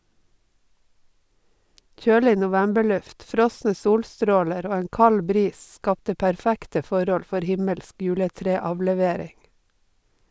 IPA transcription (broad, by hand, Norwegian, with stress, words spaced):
ˈc͡çøːlɪ nʊˈʋæmbəˌɭʉft ˈfɾɔsnə ˈsuːlˌstɾoːləɾ ˈoː ˈeːŋ ˈkɑl ˈbɾiːs ˈskɑptə pæɾˈfæktə ˈfɔɾɔl ˈfɔɾ ˈhɪməlsk ˈjʉːləˌtɾeːɑʋlɛˌʋeːɾɪŋ